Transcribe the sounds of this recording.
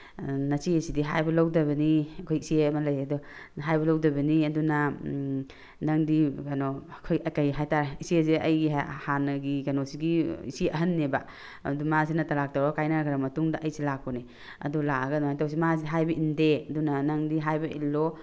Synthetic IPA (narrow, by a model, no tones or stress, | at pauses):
nɐsiɐsidiɦa̰jbɐlawdɐbɐniɐkʰojisieɐmɐlɐjɐduɦajbɐlɐwdɐbɐniɐduna | naŋdianokʰojakajɦajtaɾisiezeɐjɡihanɐɡikanosiɡiḭsiɐɦɐnːeba̰ | dumazinɐtalak̚tawɾakajnaɡɐɾamɐtuŋdɐʔɐjsilak̚ːɔni | ɐ̰dulaɐɡɐnajtaws̬imaziiɦajbɐʔindeɐdunanaŋdiɦajbɐḭlːo